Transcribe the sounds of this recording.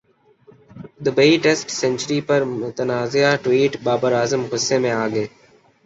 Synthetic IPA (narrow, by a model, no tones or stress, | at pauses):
d̪ʊbəiʈeːsʈsɛ̃nt͡ʃəɾiːpəɾmʊt̪ənaːzejaːʈwiːʈbaːbəɾaːzəmɦʊseːmẽaːɡeː